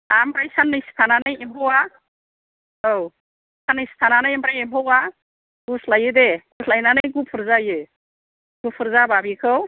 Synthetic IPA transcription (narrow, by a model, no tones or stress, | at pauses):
ampɾajsanːɯjstʰananajembʰʱowa | ow | sanɯjst̪ʰananajempɾajembʰowa | ɡuslajɯd̪eɡuslajnanjɡupʰɯɾzajɯ | ɡupʰɯɾzababikʰɯw